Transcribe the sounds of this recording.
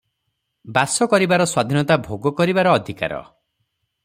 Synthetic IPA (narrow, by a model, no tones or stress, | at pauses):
basɔkɔɾibaɾɔswad̪ʱinɔt̪abʱoɡɔkɔɾibaɾɔːd̪ʱika̰ɾɔ̰